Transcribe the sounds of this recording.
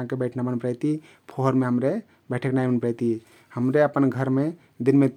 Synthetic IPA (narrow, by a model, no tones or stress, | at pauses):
ãkebəʈʰnabənpɾɛt̪i | pʰoɦɾmeɦəmɾe | bɛʈʰəknajbənpɾɛjt̪i | həmɾeəpənɡʱəɾme | d̪inme